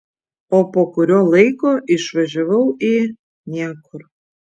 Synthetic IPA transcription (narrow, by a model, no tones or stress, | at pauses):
oːpoːkʊɾʲoːlˠɐɪkoːʔɪʃʋɐʒʲɛʋɐʊiː | nʲiɛkʊɾ